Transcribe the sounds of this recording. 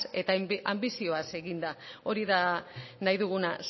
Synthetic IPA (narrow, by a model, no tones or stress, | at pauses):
e̞t̪aa̰mbisio̞ase̞ɣind̪ao̞ɾiðanajðuɣ̞unas